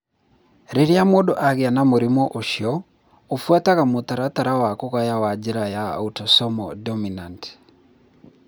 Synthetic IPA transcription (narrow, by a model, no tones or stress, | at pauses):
ɾeɾiamoɗoʔaɣeanamoɾimɔʔoʃiɔ | ofuataɣamotaɾataɾawakoɣajawad͡ʒeɾaja̰utɔsɔmɔ̰dɔminant